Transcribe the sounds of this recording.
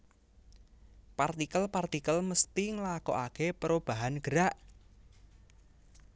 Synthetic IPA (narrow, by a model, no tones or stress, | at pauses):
part̪ikəlpart̪ikəlməst̪iŋlakɔ̰ʔakepəɾob̥a̤ɦanɡ̥əɾaʔ